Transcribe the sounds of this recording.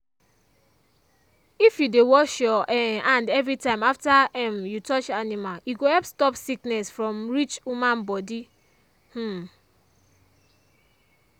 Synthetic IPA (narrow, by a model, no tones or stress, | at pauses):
ifjudewɔʃjɔʔɛãndɛvɾitãɪ̃maftaɛmjutɔt͡ʃanimaliɡoɛlpstɔpsiknɛsfɹɔ̃mɹit͡ʃumãnbɔdi | h̩